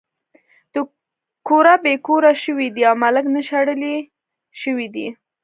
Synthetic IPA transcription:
d̪̥ə | koɾabekoɾaʃəwid̪iawmaləknəʃaɽəli | ʃəwid̪i

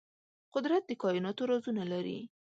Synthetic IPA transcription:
qʊd̪ɾat̪̚d̪əkɑjɪnɑt̪oɾɑzunalaɾḭ

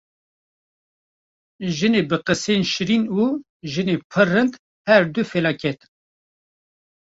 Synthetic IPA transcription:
ʒɨneːbɨqɨseːnʃɨɾinuː | ʒɨneːpʰɨrɨnd̪ | hɛɾd̪ufelɑːkʰɛt̪

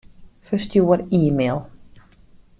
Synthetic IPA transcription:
fəstjuəriːmelˠ

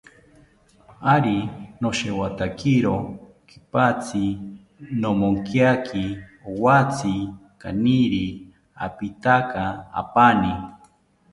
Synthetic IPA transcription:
aɾinoʃewat̪akiɾo | ki̥pat͡sʰi | nomoŋkjakʰiowat͡sʰi | ka̰niɾi | a̰pit̪akaa̰pani

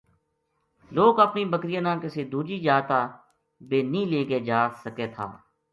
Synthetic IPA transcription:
loːɡəpniːbəkɾɪjãːnãːkɪseːd̪uːd͡ʒiːd͡ʒaːt̪aː | beːnĩːleːɡeːd͡ʒaːsəkeːt̪ʰa̰ː

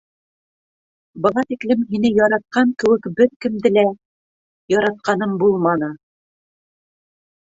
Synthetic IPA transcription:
bɤ̆lˠɑt̪iklɘmɦinɘjɒɾɑt̪̚qɑŋkɘ̆wɘkbɘɾkɘ̆md̪ɘlæ | jɒɾɑt̪̚qɑnɤmbulˠmɑnɤ

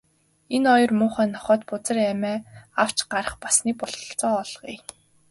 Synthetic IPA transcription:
enɔjɞ̆rmʊːχæːnɔχœːt̪pʊt͡sə̆ræmæːaw̥t͡ɕɢaɾə̆χpḁsniːkpɔɮɞɞ̆ɬt͡sɔːɔɮʁḭː

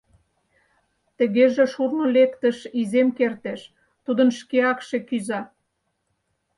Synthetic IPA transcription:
t̪ə̆ɣeʒĕʃurnolekt̪ə̆ʃizemkert̪eʃ | t̪ud̪ənʃkeɑkʃekyzɑ

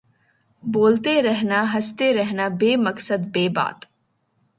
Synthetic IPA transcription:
boːlt̪eɾɐɦnaɦɐst̪eɾɐɦnabeːmɐksəd̪beːba̰ːt̪

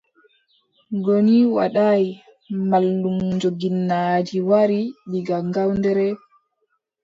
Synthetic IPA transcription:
ɡoniwa̰ɗaj | malːumɲd͡ʒoɡinːaːd͡ʒiwaɾiɗiɡaŋɡawndɛɾɛ

